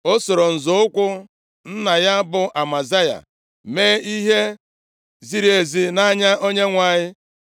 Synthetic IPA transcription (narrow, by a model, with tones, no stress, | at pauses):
o˦so˨ɾo˨n̩˨zʊ˨˦ʊ˦kʷʊ˦ | n̩˦na˨ja˦bʊ˦ʔa˨ma˨za˦ja̰˨ | meː˦i˦ɦe˦ | zi˦ɾi˦e˨zi˦na˦ɲa˦ʔo˦ɲe˦ŋʷa˨ɲɪ˦